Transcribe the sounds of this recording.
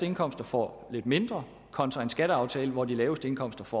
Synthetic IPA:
d̥əe̝nkʰɒ̽m̰sd̥ɐfɒ̰ | le̝d̥me̝nd̥ʁɐ | kʰɒ̽nt͡sʰʁɑ̈ensɡ̥æɾ̥əɑ̈ʊt͡sʰɛːləʋɒd̥ilɛːʊəsd̥əe̝nkʰɒ̽m̰sd̥ɐfɒ̰

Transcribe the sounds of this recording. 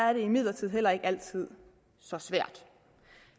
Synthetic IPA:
æɐɾ̥e̝imið̞̰ˠlɐt͡sʰið̰ˠɦel̰ɐe̝ɡ̥æl̰t͡sʰið̞̰ˠ | sɒ̽sʋæɐ̰d̥

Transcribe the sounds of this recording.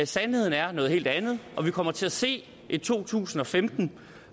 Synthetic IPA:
sænhhe̝ð̞̰ˠn̩æɐnɔ̽ːð̞ˠhe̝̰ld̥ænð̞̩ˠʔɒ̽ʋikʰɒ̽m̰ɐt͡sʰe̝læse̝̰ː | it͡sʰo̝̰ːt͡sʰṵːsn̩ɒ̽femd̥n̩

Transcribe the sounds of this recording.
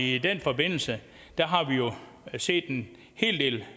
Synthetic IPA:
id̥en̰fɒ̽be̝n̰l̩sə | d̥æɦɑ̈ʋijo̝ | se̝̰ːd̥e̝n | he̝̰ːld̥e̝̰ːl

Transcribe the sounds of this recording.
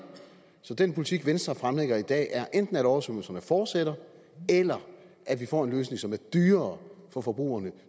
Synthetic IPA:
sɒ̽d̥enpʰo̝lit͡sʰiɡ̥ʋensd̥ɐfʁamleɡ̥ɐid̥ɛ̰ːʔæɐʔend̥n̩æɾɒʊɐsøml̩sɐnəfɒːd̥seɾ̥ɐ | elɐ | ʔæ̥ʋifɒ̰ːe̝nløːs̬ne̝ŋsɒ̽mæɐd̥yːɐːfɒ̽fɒ̽b̥ʁṵːɐnə

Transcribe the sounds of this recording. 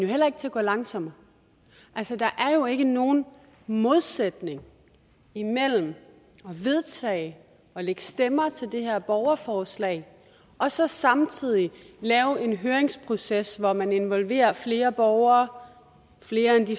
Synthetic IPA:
njo̝hel̰ɐeɡ̥t͡sʰe̝ɐɡɔ̰ːlɑ̈ŋsɒ̽m̰ɐ | ʔælsəd̥ɑ̈ʔæɐjo̝e̝ɡ̥əno̝ːn̩ | mo̝ð̞ˠsed̥ne̝ŋ | imel̰m̩ | ɒ̽ʋe̝ð̞ˠt͡sʰɛ̰ːɪ | ɒ̽leɡ̥əsd̥emɐt͡sʰe̝ld̥e̝hæɐ̰b̥ɒʊɐfɒːslɛ̰ɪ | ʔɒ̽sɒ̽sɑ̈mt͡sʰið̞̰ˠi | lɛːʊe̝nɦøːɐeŋspʰʁo̝sesʋɒmæne̝nʋɒ̽lʋe̝̰ːɐfle̝ːɐb̥ɒʊɐː | fle̝ːɐend̥i

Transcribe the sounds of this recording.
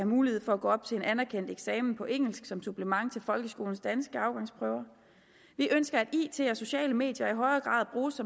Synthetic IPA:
hæmuːliheð̞̰ˠfɒ̽æɡ̥ɔ̰ːɒ̽b̥̚t͡sʰe̝e̝nʔænæɐkʰen̰d̥eɡ̥sɛːmn̩pʰɒ̽ʔeŋ̰l̩sɡ̥sɒ̽msub̥ləmɑ̈ŋ̰t͡sʰe̝lfɒ̽lɡ̥əsɡ̥o̝ːln̩sd̥ænsɡ̥əɑ̈ʊɡ̥ɑ̈ŋspʰʁœʊɐ | ʋiʔønsɡ̥ɐæd̥iːt͡sʰe̝̰ːɒso̝ɕɛ̰ːləme̝̰ːd̥jɐiɦɒ̽ɪɐɡ̥ʁɑ̰̈ːð̩̰ˠb̥ʁuːsːɒ̽

